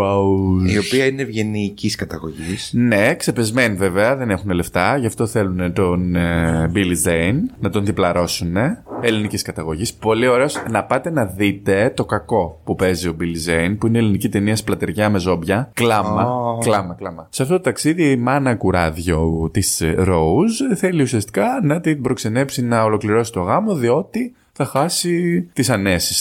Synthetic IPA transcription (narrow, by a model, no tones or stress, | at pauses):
io̞piɐinevʝe̞niciskɐt̪ɐɣoʝisne̞kse̞pe̞zmenive̞veɐðe̞ne̞xune̞le̞ft̪ɐʝɐft̪o̞θe̞lune̞t̪o̞nbilizeinnɐt̪o̞nðiplɐɾo̞sune̞eliniciskɐt̪ɐɣo̞ʝispo̞lio̞ɾe̞o̞snɐpɐt̪e̞nɐðit̪e̞t̪o̞kɐko̞pupe̞zio̞bilizeinpuinelinicit̪e̞niɐsplɐt̪eɾʝɐme̞zo̞bʝɐklɐmɐklɐmɐklɐmɐseɐft̪ot̪ot̪ɐksiðimɐnɐkuɾɐðʝo̞t̪isɾo̞usθe̞liusiɐst̪i̥kɐnɐt̪ibɾo̞kse̞ne̞psinɐolo̞kliɾo̞si̥t̪o̞ɣɐmo̞ðio̞t̪i | θɐxɐsit̪isɐne̞si̥s